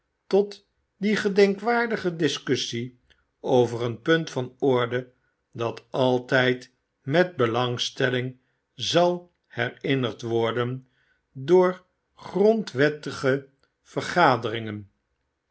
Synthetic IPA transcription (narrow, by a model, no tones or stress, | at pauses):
tɔt | diχədɛŋkʋaːɹdəχədɪskɵsi | owvərənpɵntfɑnɔɹdə | dɑtɑlˠtɛjt | mɛd̚bəlɑŋstɛlɪŋ | zɑlˠ | hɛrɪnəʁtʋɔɹdən | dʊːɹ | χrɔntʋɛtəχə | v̥əɹχaːdərɪŋən